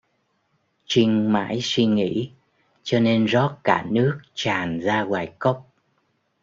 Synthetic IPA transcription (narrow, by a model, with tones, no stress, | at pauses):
t͡ɕï˧ŋ̟ma̰ː˧˥jswi˧ŋḭ˧˥ | t͡ɕɔ˧ne˧nzɔ˦˥t̚kaː˧˩nɨ˦˥ək̚t͡ɕaː˨˩nzaː˧ɣwaː˨˩jkə˦˥wk͡p̚